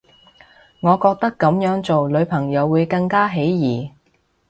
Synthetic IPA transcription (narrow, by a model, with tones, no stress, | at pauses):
ŋɔː˨˧kɔː˧k̚t̪ɐ˥kːɐ˨˥mjœː˨˥ŋt͡so˨wlɵ˨˧˥ɥpʰɐ˨˩ŋjɐ˨˧wːuː˨˧jkɐ˧ŋkaː˥ɦe˨˥jjiː˨˩